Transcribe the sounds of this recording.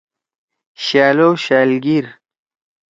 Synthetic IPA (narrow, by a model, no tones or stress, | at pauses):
ɕaːlowɕaːlɡiɾ